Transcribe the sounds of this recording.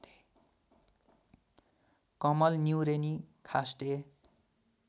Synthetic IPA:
t̪e̥ | kʌmʌlnjuwɾenikʰasʈe

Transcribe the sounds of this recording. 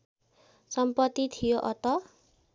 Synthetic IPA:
sʌmpʌt̪ːit̪ʰijoʔʌt̪ʌ

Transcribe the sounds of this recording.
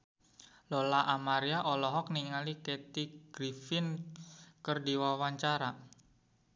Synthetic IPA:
lɔlaʔamaɾiaʔɔlɔɦɔk̚niŋalikɛt̪iɡ̥ɾifɪn | kərdiwawaɲt͡ʃaɾa

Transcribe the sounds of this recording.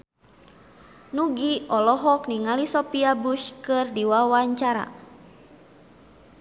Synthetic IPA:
nuɡiɔlɔɦɔkniŋalisɔpiabuʃkɨrdiwawaɲt͡ʃaɾa̰

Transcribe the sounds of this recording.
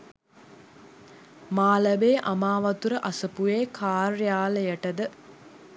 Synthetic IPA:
maːləbeːʔamaːʋɐt̪uɾəʔasəpujeːkʰaːrjaːləjəʈəd̪ə

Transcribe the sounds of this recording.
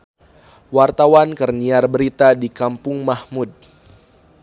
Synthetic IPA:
wart̪awankərniarbəɾit̪adikampʊŋmahmud̚

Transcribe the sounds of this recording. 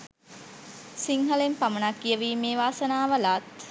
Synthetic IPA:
siŋɦəlempamənakːijəʋiːmeːʋaːsənaːʋəlaːt̪̚

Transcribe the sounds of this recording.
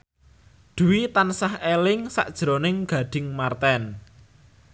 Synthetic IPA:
d̪̥ṳwit̪ansahelɪŋsa̰ʔd̥ʒ̥ɾonɪŋɡ̥ä̤ɖ̥ɪ̤ŋmart̪ɛn

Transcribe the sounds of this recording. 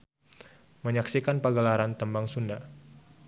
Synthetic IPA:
məɲaksikanpəɡəlaɾant̪əmbaŋsunda

